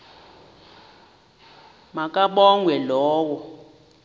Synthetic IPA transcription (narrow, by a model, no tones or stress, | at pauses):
makʼaɓɔŋwɛlɔːwɔ